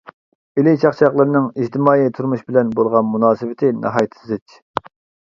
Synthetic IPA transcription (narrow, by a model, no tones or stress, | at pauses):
ɪlɪt͡ʃʰɑχt͡ʃʰɑχlˠəɾɨnɨŋid͡ʒt̪ʰɪmɑːit̪ʰuɾmuʃbɪlɛnbolˠʁɑnmunɑːsɨvɪt̪ʰɪnɑ̰ɦɑːjt̪ʰzɪt͡ʃ